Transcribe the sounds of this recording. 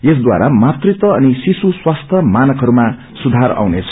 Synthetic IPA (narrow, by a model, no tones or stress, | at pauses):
jes̬d̪wa̰ɾamat̪rit̪ʌʌnisisuswast̪ʰjʌmanʌkɦʌɾuma | sud̪ʱaɾa̰wnet͡sʰʌ